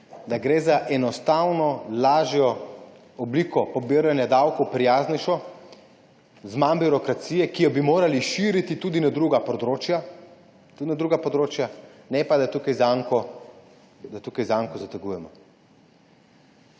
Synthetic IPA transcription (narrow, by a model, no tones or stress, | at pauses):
d̪aɡɾeːzaʔɛnɔst̪awnɔlaːʒjɔ | ɔbliːkɔpɔbiɾjanjad̪awkɔwpɾijaːznɛʃɔ | zmanbiɾɔkɾat̪sijɛkijɔbimoːɾaliʃiɾit̪it̪uːd̪inad̪ɾuːɡapɔd̪ɾoːt͡ʃja | t̪ud̪nad̪ɾuːɡapɔd̪ɾoːt͡ʃjanɛpad̪at̪ukajzaŋkɔ | d̪at̪uːkajzaŋkɔzat̪ɛɡujɛmɔ